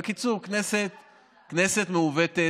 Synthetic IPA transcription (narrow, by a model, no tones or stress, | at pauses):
kit͡suʁkneset̪ | kneset̪meuvet̪e